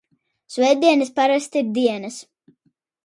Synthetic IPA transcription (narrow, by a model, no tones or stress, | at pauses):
svɛjd̪ʲiɛnɨspaɾast̪iɾd̪iɛnɐs